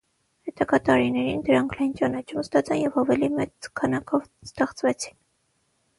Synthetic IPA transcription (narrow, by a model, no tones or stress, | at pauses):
hɛt̪ɑkɑt̪ɑɾinɛɾind̪əɾɑŋkʰlɑjnt͡ʃɑnɑt͡ʃʰuməst̪ɑt͡sʰɑnjɛvɑvɛlimɛt͡skʰɑnɑkʰɔvst̪ɛχt͡svɛt͡sʰi̥n